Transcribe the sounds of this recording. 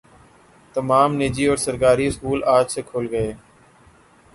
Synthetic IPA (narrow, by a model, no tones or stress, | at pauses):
t̪əmaːmneːd͡ʒiːɔːɾsəɾkaːɾiːɪskuːlaːd͡ʒseːkʰoːlɡəeː